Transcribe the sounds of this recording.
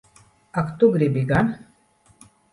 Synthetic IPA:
akt̪uɡɾibiɡan

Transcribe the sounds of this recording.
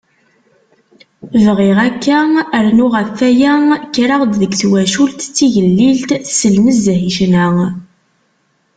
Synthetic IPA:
vʁɪʁækːæəɾnʊʁəfːæjækːɾɑʁd̪ðəɡθwæʃult̪t͡sːiʝəlːilt̪səlməzhiʃnæ

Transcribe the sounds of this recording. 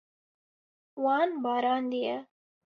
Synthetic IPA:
ʋaːnbaːɾaːnd̪ija

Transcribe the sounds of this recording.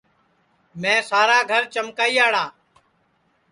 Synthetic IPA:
mɛ̃ːsaːɾaːɡʱəɾt͡ʃəmkaːiːaːɽaː

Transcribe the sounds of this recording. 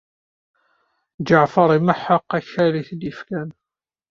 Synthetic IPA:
d͡ʒaʕfɑɾˤiməħəqːæçæliθd̪ifkæn

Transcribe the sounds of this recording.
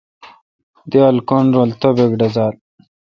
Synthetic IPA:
d̪iɐlkonɾolt̪obeɡɖɐzaːl

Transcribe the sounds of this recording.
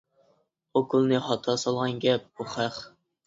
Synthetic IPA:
okʰulˠnɨχɑt̪ʰɑsɑlˠʁɑnɡʲɛp̚buχæχ

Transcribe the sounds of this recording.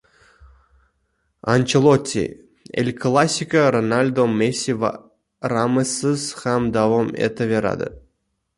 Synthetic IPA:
anʲt͡ɕelˠot̪ʲːḭ | ḛlʲklˠasʲikaɾonalʲd̪omesʲiv | ramɨsɨsχamd̪avomḛt̪əvʲeɾa̰d̪ə̰

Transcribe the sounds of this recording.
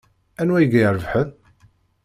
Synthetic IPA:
ænwæjəɡæjəɾˤəvħən

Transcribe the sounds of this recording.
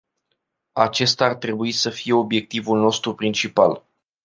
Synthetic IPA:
at͡ʃe̞st̪aart̪ɾe̞buisəfije̞o̞bje̞k̚t̪ivulno̞st̪ɾupɾint͡ʃipal

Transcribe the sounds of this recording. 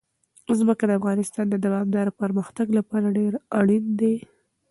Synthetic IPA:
zməkad̪əafɣɑnɪst̪ɑnd̪əd̪awɑmd̪ɑɾopəɾməxt̪aɡlapɑɾaɖeɾaɽind̪e

